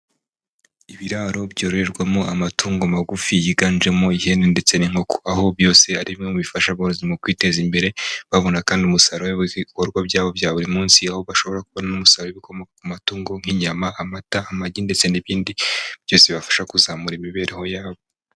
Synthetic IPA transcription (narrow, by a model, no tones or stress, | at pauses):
iβiɾaːɾo̞bɟoɾoɾeɾɡwamo̞amatʰuːŋɡomaɡufijiɡaːnd͡ʒe̞mo̞ihe̞nende̞t͡se̞niŋ̥o̞koaho̞bjo̞ːse̞aɾiŋomuβifaʃaβoɾozimokwiːte̞zimbe̞ɾe̞βaβo̞nakaːndiumusaɾoβikoɾɡwabɟaːβo̞bjaːβuɾimuːnsiaho̞βaʃo̞βo̞ɾakuβonanumusaɾoweβiko̞mo̞kakumatuːŋɡo̞ŋ̥iɲamaamataːmaɟinde̞t͡se̞niβiːndib̥jo̞ːseβafḁʃakuzamuɾimiβe̞ːɾʔeho̞jaːβo